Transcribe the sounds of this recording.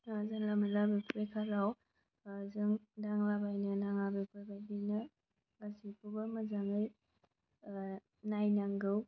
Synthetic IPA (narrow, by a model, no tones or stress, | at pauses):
azaŋlamalabepʰuɾekʰalaw | zɯŋdaŋlabajnɯnaŋlabekʰajbajdɯnɐ | asipʰubamazaŋɯj | najnaŋɡɯw